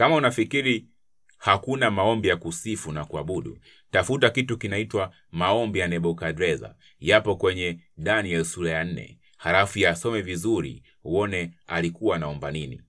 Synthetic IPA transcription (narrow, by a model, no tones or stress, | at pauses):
kamaunafikiɾi | hakunamaɔmbijakusifunakuaɓuɗṵ | tafutakitukinaitwa | maɔmbijanɛɓɔkadɾɛza̰ | japɔkwɛɲɛ | ɗaniɛlsuɾajan̩nɛ̰ | halafujasɔmɛvizuɾḭ | uɔnɛalikuwaːnaɔmbaninḭ